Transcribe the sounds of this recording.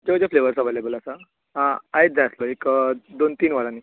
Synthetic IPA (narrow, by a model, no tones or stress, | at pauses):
d͡ʑed͡ʑefleʋəɾsɔʋelebəlasa | ɦãaid͡zaslɔekd̪ont̪iːnʋalãni